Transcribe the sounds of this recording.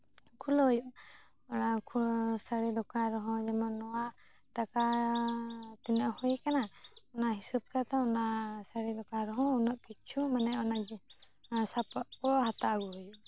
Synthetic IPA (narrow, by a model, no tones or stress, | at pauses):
kʰulɔɦɔjuʔ | ɔnakʰusaɾid̪ɔkaɾɔɦɔ̃d͡ʒɛmɔnːɔwa | ʈaka | t̪inaʔhujɛkanaɔnaɦisub̚kat̪aɔnasəɽidɔkaɾɔɦɔ̃unɔʔkit͡ʃʰumanɛɔnad͡ʒɛ | sapɔʔkɔhat̪aɡuɔjuʔ